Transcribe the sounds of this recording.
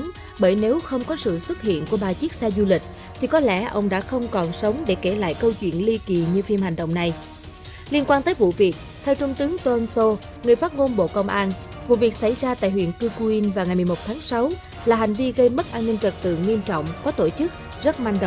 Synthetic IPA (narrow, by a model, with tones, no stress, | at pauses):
ɓəː˧˩jne˨˦wxə˧wŋ͡mkɔ˨˦sɨ̰˧˨swə˦˥t̚hḭ˧˨ənku˧˩əɓaː˨˩t͡ɕi˦˥ək̚saː˧zu˧lï˨˩k̟̚ | t̪ʰi˨˩kɔ˨˦lɛ˧˩ʔə˧wŋ͡mɗa̰ː˧˥xə˧wŋ͡mkɔ˨˩nsə˨˦wŋ͡mɗe˧˩ke˧˩la̰ː˧˨jkə˧wt͡ɕwḭ˧˨ənli˧ki˨˩ɲɨ˧fi˧mha˨˩jŋ̟ɗə̰˧˨wŋ͡mna˨˩j | li˧ənkwaː˧nt̪əː˨˦jvṵ˧˨vi˨˩ək̚t̪ʰɛ˧wt͡ɕʊ˧ŋ͡mt̪ɨ˨˦əŋt̪o˧ə˧nso˧ | ŋɨ˨˩əjfaː˦˥t̚mo˧nɓo̰˧˨kə˧wŋ͡mʔaː˧n | vṵ˧˨vi˨˩ək̚sa̰˧˩jzaː˧t̪a̰ː˧˨jhɦwḭ˧˨ənkɨ˧ku˧i˧nvaː˨˩wŋa˨˩jm˨˩jmo˨˩t̚t̪ʰaː˨˦ŋsa˨˦w | laː˨˩ɦa˨˩jŋ̟vi˧ɣə˧jmə˦˥t̚ʔaː˧nːï˧ŋ̟t͡ɕə˨˩t̚t̪ɨ̰˧˨ŋwi˧əmt͡ɕɔ̰˧˨wŋ͡mkɔ˨˦t̪o˧˩t͡ɕɨ˦˥k̚ | zə˦˥t̚ma˧jŋ̟ɗ